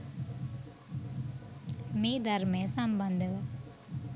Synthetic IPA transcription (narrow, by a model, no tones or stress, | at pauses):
miːd̪ʱɐɾmeːsɐmbɐnd̪ʱɐʋ